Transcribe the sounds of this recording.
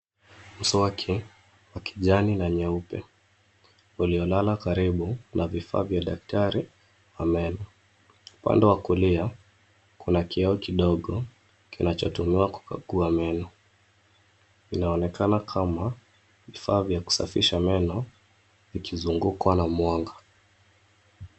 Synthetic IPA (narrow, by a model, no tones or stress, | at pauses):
m̩sɔakʰi | waki̥ʄaninaɲɛupɛ | uliɔlalakaɾiɓunavifa̰ːvjaɗak̚taɾi | vamɛnɔ | upa̰ndɛwakulia | kunakiɛɔkiɗɔɠɔ | kinat͡ʃɔtumiwaku̥ka̰ɠuamɛnɔ | kinaɔnɛkanakʰama | vifaːvjaku̥sa̰fiʃamɛnɔ | vikʰizuŋɡukwanamwaŋɡa